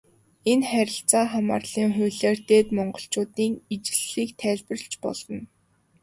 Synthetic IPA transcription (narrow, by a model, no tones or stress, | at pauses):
enχæɾʲɪ̆ɬt͡saːχama̰ːrɮ̥iːŋχʊjɮeːrt̪eːt̪mɔɴɢɞ̆ɬt͡ɕʊːt̪iːŋit͡ɕɪ̆ɮːiːkt̪ʰæːɮpə̆rɬt͡ɕpɔ̰ɮ̥ɞ̆n